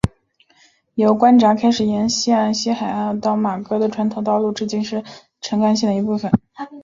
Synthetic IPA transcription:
jo˨˩ʊkwa˥nʈ͡ʂa˧˥kʰa˥ɪʂɻ̩˨˩jɛ˧˥nɕi˥a˥˩nɕi˥xa˨˩ɪa˥˩t̪ɑ˥˩ʊma˨˩kɤ˥d̪ə˨ʈ͡ʂʰwa˧˥nt̪ʰo˨˩ʊt̪ɑ˥˧lu˥˧ʈ͡ʂɻ̩˥˧t͡ɕi˥˧nʂɻ̩˥˩ | ʈ͡ʂʰɤ˧˥ŋka˥˧nɕ̬i˥˩ŋd̪ə˩i˧˥pu˥˩fə˩n

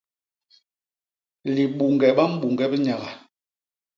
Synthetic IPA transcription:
li˨ɓu˨ŋɡɛ˨ɓa˦m̩˦ɓu˨ŋɡɛ˦bə˦ɲa˨ɡa˨

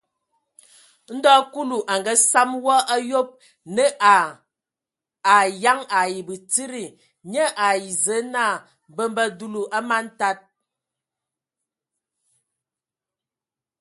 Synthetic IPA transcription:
n̩˦dɔ˦ku˦lu˨ʔa˨ŋɡə˦sa˦mwɔ˦ʔa˦jo˦p̚ | nə˦ʔa˨ | a˨ja˦ŋa˨ji˨bi˨t͡si˦ɾi˨ | ɲə˦ʔa˨ji˨zə˨˦na˦˨ | m˨bə˦m˦bə˦du˦lu˨ʔa˦ma˦n˦ta˦t̚

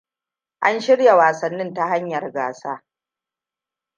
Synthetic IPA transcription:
ʔa˦nʃɪ˦ɾja˨waː˨sɐ˨nːɪ˦nta˦ɦa˦ɲjɐ˨rɡa̰ː˨saː˦

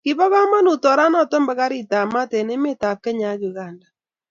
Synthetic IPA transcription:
kɪ˨βa˦βa˦ma˦nu˨tɔ˨ɾa˦nɔ˦tɔ˦mba˨˦ɣa˦ɾi˦ta˨ma˦te˨ne˦me˦ta˨kɛ˦ɲa˨˦ɣu˨ɣa˦˨nda˨

